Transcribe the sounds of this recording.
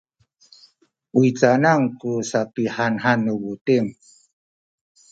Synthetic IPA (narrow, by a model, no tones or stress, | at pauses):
uit͡sanaŋkusapihanɦanːəwutiŋ